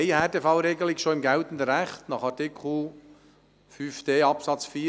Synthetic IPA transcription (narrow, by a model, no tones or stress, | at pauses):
ɪhɛːteːfɑʊɾeːɡl̩ɪçʃoːɪmɡɛltən̩dəɾɛχtnɑːχɑɾtɪkʰl̩ | fyːfd̥eːɑpsɑt͡sfiː